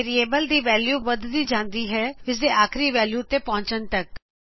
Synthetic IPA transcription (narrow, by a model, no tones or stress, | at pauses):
ɾieːbəld̪iːʋɛːljuːʋəd̪d̪iːd͡ʒãːnd̪iːɦɛːɪs̬d̪eːʔaːkʰɾiːʋɛːljuːt̪eːpɔ̃ːɲt͡ʃənt̪ək